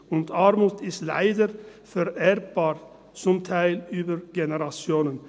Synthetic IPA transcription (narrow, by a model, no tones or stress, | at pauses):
ʊnt̪ʰɑɾmʊt̪ɪstla̰ɪd̪əɾ | fɛɾɛɾb̥ɑːɾ | t͡sʊmt̪ʰaɪlyːbəɾɡɛnəʁɑt͡sjoːnən